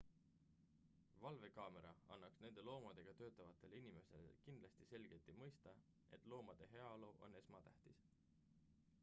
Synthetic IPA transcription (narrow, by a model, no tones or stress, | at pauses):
vɑlve̞kɑːme̞ɾɑɑnːɑksne̞nd̪̥e̞lo̞ːmɑd̪̥e̞ɡ̥ɑt̪ø̞ːt̪ˑːɑvɑt̪ːˑe̞leinime̞sḛlḛkind̪̥lɑst̪ise̞lɡ̥e̞t̪imɤ̞jst̪ɑ | e̞t̪ˑlo̞ːmɑd̪̥e̞ɦe̞ɑlo̞ʔo̞̰nːe̞smɑt̪æht̪is